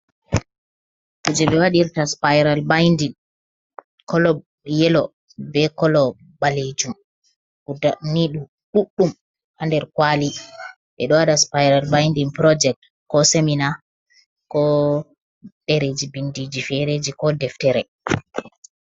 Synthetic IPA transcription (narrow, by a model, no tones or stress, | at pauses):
kud͡ʒɛɓɛwaɗiɾtaspajɾalbajndin | kɔlɔ | jɛlɔ | bɛkɔlɔ | baled͡ʒum | udaniɗu | ɗuɗːum | handɛɾkwali | ɓɛɗɔwaɗaspajɾalbajndinpɾɔd͡ʒɛk̚t | kɔsemina | kɔ | ɗeɾed͡ʒibindid͡ʒifɛɾed͡ʒikɔdɛftɛɾɛ